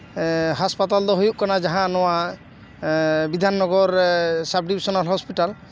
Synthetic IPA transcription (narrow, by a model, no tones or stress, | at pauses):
ɦaspat̪ald̪ɔɦojuʔ̚kɔnad͡ʒaɦãnɔwa | bid̪ʱanːɔɡɔɹsab̚ɖibisɔnɔlɦɔspiʈal